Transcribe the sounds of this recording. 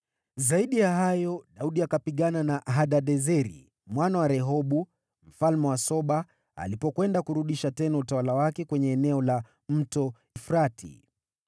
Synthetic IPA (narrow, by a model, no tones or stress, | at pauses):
zaiɗijaɦajɔɗauɗiakapiɠananaɦaɗaɗɛzɛɾḭ | mwanawaɾɛɦɔɓu | m̩falmɛwasɔɓa | a̰lipɔkwɛndakuɾuɗiʃatɛnautawalawakɛkwɛɲɛːnɛɔla | m̩tɔ | ifɾatḭ